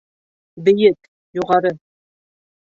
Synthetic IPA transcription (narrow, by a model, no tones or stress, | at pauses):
bɘ̆jɘk | juʁɑɾɤ